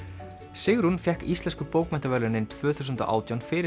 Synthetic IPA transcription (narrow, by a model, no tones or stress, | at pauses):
sɪɣɾunfjɛhkist̪lɛnskʏpowkmɛnt̪avɛlʏnɪnt̪ʰvœːθu̥sʏnt̪a̰ʔa̰ːwt̪jawnfɪɾɪ